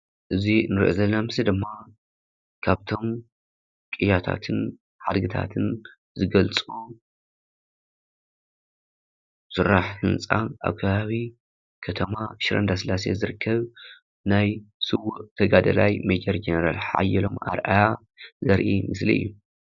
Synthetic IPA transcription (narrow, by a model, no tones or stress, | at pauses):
ʔɨzinɨɾʔo̰zɐlnamɨsid̪ɨmːa | kʰaβt̪ʰo̞m | kʼijat̪ʰa̰t̪ʰɨn | ħad̪ɡɨt̪ʰa̰t̪ʰɨn | zɨɡɐlt͡sʼu | sɨrːaħħɨnt͡sʼaʔa̰βkʰɐβaβi | kʰɐt̪ʰɐmaʃɾɐ̰nd̪asɨlasezɨɾɨkːɐβ | najsɨwuʔt̪ʰɐɡad̪ɐlajmed͡ʒɐɾd͡ʒenɐɾalħa̰jːɛlo̞ma̰ɾʔaja | zɐɾʔimɨslḭɨ̰jːu